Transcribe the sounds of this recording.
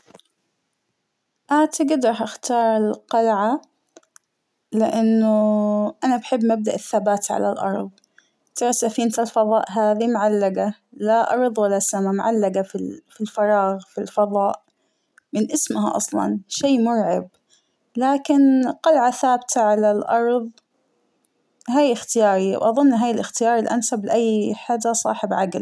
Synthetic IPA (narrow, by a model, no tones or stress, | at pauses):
ʔaːt̪ɪɡɪd̪ɾˤɑħʔaxt̪ʰɑːɾˤɪlqɑlʕa | lɪʔanːʊʔanabaħɪbːmab̚d̪aʔɪθːabaːt̪ʕa̰la̰lʔɑ̰ɾˤðˤ | t̪ɑɾˤɑsːafiːnt̪alfɑðˤɑːʔɦaːðimʊʕalːaɡalaʔɑ̰ɾˤðˤwalːasamamʊʕalːaɡafifilfɑɾˤɑːɣfilfɑðˤɑːʔ | mɪnʔɪsmɦa̰ʔɑ̰sˤlɑ̰nʃiːmʊɾʕɪb̚ | laːkɪnqɑlʕaθaːbt̪ʰaʕalalʔɑɾˤðˤ | ɦaːjɪxt̪ɪjɑːɾˤiwʔɑðˤʊnːɦaːjɪlɪxt̪ɪjɑːɾˤɪlʔansablɪʔajːħad͡ʒasˤɑ̰ːħɪbʕaɡl